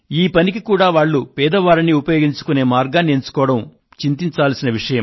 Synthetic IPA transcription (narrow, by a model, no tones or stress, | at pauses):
iːpɐnikikuːɽaːʋaːɭːupɛːd̪ɐʋaːɾiniupɐjo̞ːɡiɲt͡ʃu̥kune̞ːmaːɾɡaːnieɲt͡ʃu̥kɔːʋɐɽɐm | t͡ʃint̪iɲt͡ʃaːlɐsinɐʋiʂɐjɐm